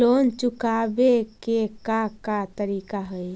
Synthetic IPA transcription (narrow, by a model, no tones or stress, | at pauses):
ont͡ʃukabekekakat̪əɾikaɦəj